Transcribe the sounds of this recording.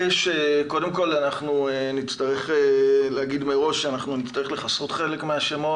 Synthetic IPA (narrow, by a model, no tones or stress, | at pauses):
eʃeko̞de̞mko̞lanaχnuenitt͡st̪aʁeχeleaɡidmeʁo̞ʃːeanaχnunitt͡staʁele̞χasʁot̪χe̞le̞kmeaʃemo